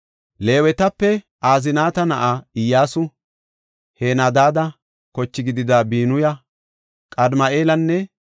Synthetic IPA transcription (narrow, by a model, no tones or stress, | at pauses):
le̞ːwɛt̪ɐpːɛ | ʔaːzɪnaːt̪ɐnɐʔaːɪjːaːsʊ | heːnaːd̪aːd̪ɐ | kɔt͡ʃːɪɡɪd̪ɪd̪aːbiːnʊjɐ | kʼɐd̪mɐʔe̞ːlɐnːɛ